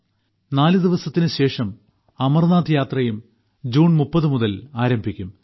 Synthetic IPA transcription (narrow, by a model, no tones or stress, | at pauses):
naːlɨd̪iʋɐsɐt̪ːinɨɕe̞ːʂɐm | ɐmɐrnaːd̪jaːt̪rɐjum | d͡ʑuːɳmupːɐðɨmuðɐlaːɾɐmbʱikʲːum